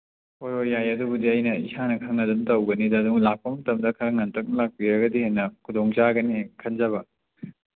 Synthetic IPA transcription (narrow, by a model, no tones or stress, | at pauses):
ojojːajɐdubudiɐjnɐisanɐkʰɐŋnɐdumtɐwɡɐnidɐːduŋlak̚pɐŋtɐmdɐkʰɐŋnɐntʰɐk̚nlak̚piɾɐɡɐdihenɐkʰudoŋt͡ʃaɡɐnikʰɐnd͡ʒɐβɐ